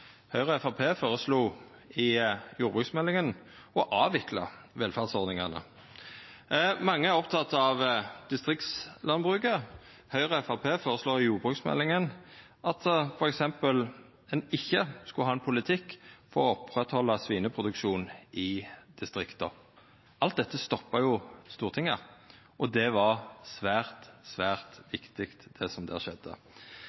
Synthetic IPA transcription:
hœʏʁəɛfɑpʰeːfoːʁəsluː | ɪjuːɾbʁʉːksmɛlːɪŋən | ɔʔɑːʋɪklɑ̰ʋɛlfæʁd̪sɔʁd̪nɪŋɑnə̰ | mɑŋːəæʁɔpt̪ʰɑt̪ːɑʋd̪̥ɪst̪ʁɪkt̪slɑnbʁʉːkə | hœʏʁəɛfɑpʰeːfoːɾəsloːʁɪjuːʁbʁʉːksmɛ̰lːɪŋən | ʔɑt̪fɔɾɛksɛmpəl | ɛnɪçːəskʉhɑːɛnpʰʊlɪt̪ʰɪkːfɔʁɔɔpʁɛt̪hɔlːɑsʋiːnəpʰʁʊd̪ʉkʃuːnɪd̪̥ɪst̪ɾɪkt̪ə̰ | ʔɑlt̪̚d̪ɛt̪ːəst̪ɔpːɑjʊst̪uːʁt̪ɪŋːə | ʔɔd̪ɛʋɑʁsʋæːʁt̪sʋæːʁt̪ʋɪkt̪ɪkt̪d̪̥ɛsɔmd̪ɛ̰æ̰ʃɛd̪ːə̰

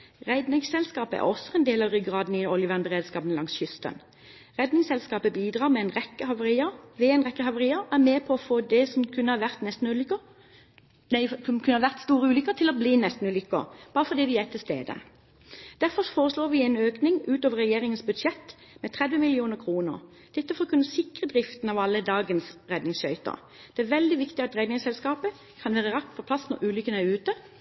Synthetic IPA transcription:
ʁæɪd̪nɪŋsɛlskɑːpəæ̰ʁʔɔsːɔɛnd̪eːlɑʋʁʏɡʁɑːd̪n̩ɪɔljəʋæʁnbəʁeːd̪skɑːpənlɑŋsçʏst̪ə̰n | ʁɛd̪nɪŋsɛlskɑːpəbiːd̪ʁɑːʁmɛɛnʁɛkːəhɑʋəiəʋɛɛnʁɛkːəhɑʋəʁiːəæʁmeːpʰɔɔfoːd̪ɛsɔmkʰʉnːəhɑʋæʁt̪nɛst̪n̩ʉl | næɪmkʰʉnəhɑʁʋæʁt̪st̪uːʁəʉːlʏkːət̪ʰɪlɔbliːnɛst̪n̩ʉːlʏkːə̰b̥ɑːʁəfɔʁd̪iːʋɪɛt̪ʰːɪlst̪ḛːd̪ə̰ | d̪̥æʁfɔʁfoːʁəsloːɾʋɪæɪnøːknɪŋʉːt̪oːʋəɾʁɛjeːʁɪŋənsbʉd̪ʃɛt̪ː | mɛt̪ʰɾɛd̪ʋəmɪlɪuːnəkʰʁuːnə̰ʁ | d̪̥ɛt̪ːəfɔɾkʰʉnːəsɪkʁəd̪ʁɪft̪n̩ɑʋɑlːəd̪ɑːɡənsʁɛd̪nɪŋsʃœʏt̪ə̰ʁ | d̪̥ɛæʁʋɛld̪ɪʋɪkt̪ɪɑt̪ʁɛd̪nɪŋsɛlskɑːpə | kʰɑnʋæːʁəʁɑk̚t̪pʰɔpʰlɑsnɔʁʔʉːlʏkənæʁʉːt̪ə

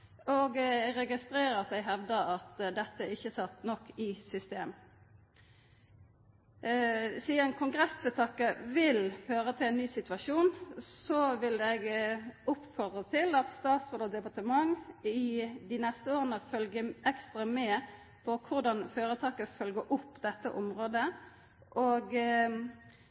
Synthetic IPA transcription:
oːɡɾɛɡɪst̪ɾeːʁəɑt̪̚d̪ɛɪɡɦɛʋd̪əɑt̪d̪ɛt̪ːəɪçːəsɑt̪ːnɔkːɪsʏst̪eːm | siːənkʰʊŋɡʁɛsføːt̪ʰɑːkəʋɪlføːʁət̪ʰɪlɛːnnyːsɪt̪ʉɑʃuːnsɔʋɪlɛɡʊpːfɔʁd̪ʁət̪ʰɪlɑt̪st̪ɑːt̪sʁoːd̪ɔd̪ɛpɑʁt̪əmɑŋɪd̪ɪnɛst̪əoːʁənəfœlɡəʔɛkst̪ʁɑmɛː | pʰɔkʰʊʁd̪ɑnføːʁət̪ʰɑːkəfœlɡəʔʊpːd̪ɛt̪ːə̰ʔʊmʁoːd̪ə | ʔoːɡ

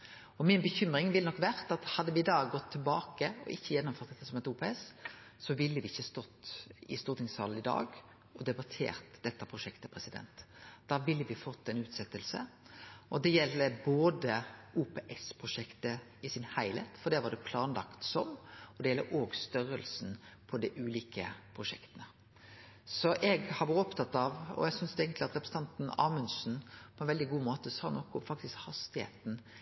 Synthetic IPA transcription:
ɔmɪnbəçʏmɾɪŋʋɪlːnɔkːʋæʁt̪ɑt̪hɑd̪ːəʋɪɪd̪ɑːɡɔt̪ʰːɪlbɑːkəɔ̰ʔɪçːəjɛnːʊmføːʁt̪d̪ɛt̪ːəsɔmɛt̪uːpɛɛs | sɔʋɪlːəʋɪɪçːəɑst̪ɔt̪ːɪst̪uːɾt̪ʰɪŋshɑ̰ːln̩ɪd̪ɑ̰ːɡ | ɔd̪ɛbɑt̪ʰḛːɾt̪d̪ɛt̪ːəpʰʁʊʃɛkt̪əpʰʁɛsɪd̪ɛ̰nt̪d̪̥ɑːʋɪlːəʋɪfɔt̪ːɛnʉːt̪sɛt̪ːəlsə̰ʔɔd̪ɛjɛlːəboːd̪əuːpeːʔɛspʰɾʊʂɛkt̪ə | ɪsɪnhæɪlḛːt̪fɔɖ̪d̪ɛʋɑɖ̪ɛpʰlɑːnlɑkt̪sɔmɔd̪ɛjɛlːəɾʔoːɡst̪œɾəlsnpʰɔd̪ɛʔʉːliːkə̰pʰɾʊʂɛ̰kt̪ənə | sɔʔɛɡhɑɾʋɑɾɔpt̪ʰɑt̪ːɑʋɔ̰ɛɡsʏnsd̪ɛeːɡənt̪lɪɑt̪ɾɛpɾəsəɑnt̪n̩ɑ̰ːmʉnsn̩pʰɔɛnʋɛld̪ɪɡuːmoːt̪əsɑːnɔkːʊʊmfɑk̚t̪ɪskhɑst̪ɪhḛːt̪n̩

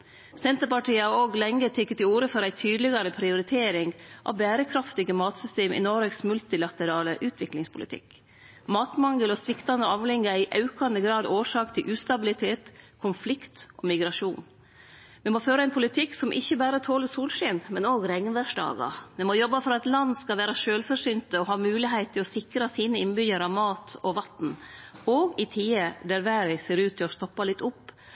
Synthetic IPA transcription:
sɛnt̪əɾpɑʈiːəɑɾoːɡlɛŋːət̪ʰɛkːət̪ɪuːɾəfɔɾæɪt̪ʰyːd̪lɪɡɑɾəpʰɾɪʊɾɪt̪ʰeːɾɪŋʔɑ̰ʋbæːɾəkʰɾɑft̪ɪɡəmɑːt̪sʏst̪eːmʔɪ̰nɔɾeksmʉlt̪ɪlɑt̪əɾɑːləʔʉːt̪ʰʋɪklɪŋspʰʊlɪ̰t̪ʰɪ̰k | mɑːt̪mɑŋəlɔsʋɪkt̪ɑnd̪əɑːʋlɪŋːəæɪʔɑʉkɑnd̪əɡɾɑːd̪oːʂɑːkt̪ʰɪlʔʉːst̪ɑbɪlɪt̪ʰeːt̪kʰʊnflɪkt̪ʔɔmɪɡɾɑʂuːn | mɛmoːføːɾəɛɪnpʰʊlɪt̪ʰɪksɔmʔɪçːəbæːɾət̪ʰoːləsuːlʂɪːnmɛnoːɡɾɛŋnʋæʂɖɑ̰ːɡɑ̰mɛmojɔbːɑfɔɾɑt̪lɑnːskɑlʋæːɾɑʃøːlfɔʂʏnt̪əɔɦɑːmʉːlɪɦæɪt̪t̪ʰːɪlɔsɪkɾɑsiːnəɪnbʏjəɾɑʋmɑːt̪ʰɔʋɑt̪n̩oːɡɪt̪ʰiːəd̪æɾʋæːɾæɪseːɾʉːt̪ʰːɪlɔst̪ɔpːɑlɪt̪ːʊpː

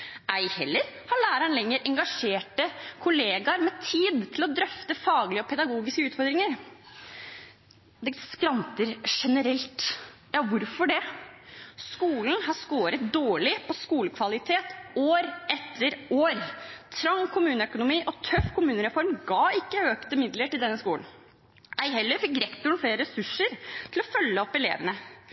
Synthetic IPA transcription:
ʔæɪhɛ̰lːəɾhɑɭæːɾəəɳlɛŋːəɾʔɛŋɡɑʂeːʈəkʰʊleːɡɑɾmɛt̪ʰiːd̪t̪ʰɪlɔd̪ɾœft̪əfɑːɡlɪəɔpʰɛd̪ɑɡuːɡɪskəʉːt̪fɔɾd̪ɾɪŋəɾ | d̪ɛskɾɑnt̪əɾʂɛnəɾɛlt̪jɑːʋʊɾfɔɖɛ | skuːln̩hɑʂkoːɾət̪̚d̪oːɭɪpʰɔskuːləkʰʋɑlɪt̪ʰeːt̪oːɾɛt̪ːəɾoːɾt̪ʰɾɑŋkʰʊmʉːnəœkʊnʊmiːʔɔt̪ʰœfkʰʊmʉːnəɾɛfɔɾmɡɑːɪkːəøːkt̪əmɪd̪ləʈɪld̪ɛnːəskuːln̩ | æɪɦɛlːəɾfɪk̚ɡɾɛkt̪ʊɳfleːɾɾɛsʉʂːəɾt̪ʰɪlɔfœlːəɔpːɛlḛːʋənə

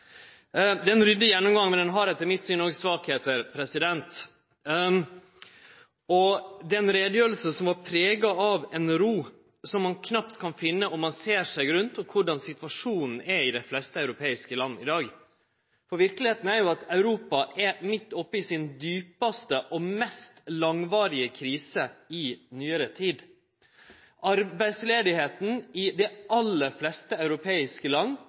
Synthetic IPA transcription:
d̪ɛɛnɾʏd̪ːəjɛnːʊmɡɑŋːmɛd̪ɛnɦɑɾɛt̪ːəɾmɪt̪ːsyːnɔɡəsʋɑːkheːt̪əɾpʰɾɛsɪd̪ɛnt̪ | ɔd̪ɛnɾeːd̪jøːɾl̩səsɔmʋɑɾpʰɾeːɡɑɑʋɛnɾuː | sɔmːɑnkʰnɑpt̪kʰɑnfɪnːəʔɔmːɑnseːʂæɪɡɾʉnt̪ɔkʰʋʊɖɑnsɪt̪ʋɑʂuːnn̩ɛɾɪd̪æɪflɛst̪əœʉɾʊpʰeːɪskəlɑnːəɪd̪ɑːɡ | fɔɾʋɪɾkəlɪheːt̪n̩æɾjʊɑt̪ɑʉɾuːpɑʔɛɾmɪt̪ːɔpːəɪsɪnd̪yːpɑst̪əʔɔmɛst̪lɑŋʋɑːɾɪəkʰɾiːsəɪnyːəɾət̪ʰiːd̪ | ʔɑɾbæɪsleːd̪ɪheːt̪n̩ɪd̪ɛʔɑlːəflɛst̪əɑʉɾʊpʰeːɪskəlɑnː

